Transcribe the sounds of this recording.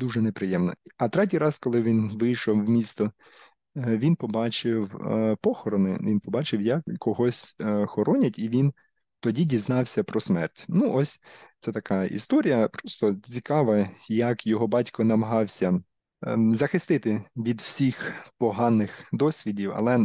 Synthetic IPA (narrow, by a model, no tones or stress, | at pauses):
d̪uʒɛnepɾɪjɛmnɔ̰ɐt̪ɾɛt̬ʲijɾɑskɔlˠɪʋʲinʋɪjʃɔwːmʲist̪ɔ | ʋʲinpɔbɑt͡ʃɪwpɔxɔɾɔnɪ̰ʋʲinpɔbɑt͡ʃɪwjɐkːɔɦɔsʲxɔɾʔɔnʲɐtʲiʋʲin | t̪ɔdʲidʲiznɑwsʲɐpɾɔsmɛrtʲnuʔɔsʲt̪sɛt̪ɐkɑʔḭst̪ɔɾʲijɐpɾɔst̪ɔt͡sʲikɑʋɐjɐkjɔɦɔbɑtʲkɔnɐmɐɦɑwsʲɐ | zɐxɪst̪ɪt̪ɪʋʲid̪w̥sʲixpɔɦɑnːɪxd̪ɔsʲʋʲidʲiwɐ̰lˠɛ